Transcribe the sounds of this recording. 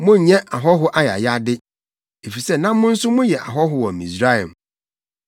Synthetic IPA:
mʊ̃˦˨ɲɛ̃˦ʔa˨ɦɔ˦ɦʊ˦ʔa˦ja̰˨ja˦dɪ˦ | e˨fi˨sɛ˦˨nã˦mʊ̃˦n̩˦sʊ˦mʊ̃˦jɛ˨ʔa̰˨ɦɔ˦ɦʊ˨wɔ˨mḭ̃˨sɾa˦˨ɛ̰˨m

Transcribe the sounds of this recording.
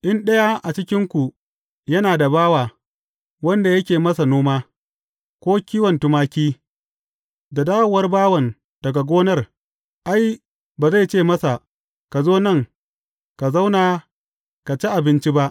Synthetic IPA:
ʔɪ˦nɗɐ˦ja˦ʔa˨t͡ʃɪ˦kʲɪ˦ŋkʷu˨ | jɐ˦naː˨da˨baː˦waː˨ | wɐ˦nda˨jɐ˦kʲeː˨mɐ˦sa˨noː˦maː˦ | kʷoː˦kʲiː˦wɐ˨ntʊ˦maː˦kʲiː˦ | da˨daː˦wʊ˨wɐ˦rbaː˦wɐ˨n | d̥ɐ˨ɡa˨ɡʷoː˦nɐ˦˨r | ʔa˦j | baː˨za˦˨jt͡ʃeː˦˨mɐ˦sa˨ | ka˨zoː˦nɐ˦˨ŋ | ka˨za˦wnaː˨ | ka˨t͡ʃi˦ʔa˨bɪ˦nt͡ʃi˦ba˦ʔ

